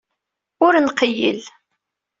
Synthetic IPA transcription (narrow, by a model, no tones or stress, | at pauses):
ʊɾnqəjə̰l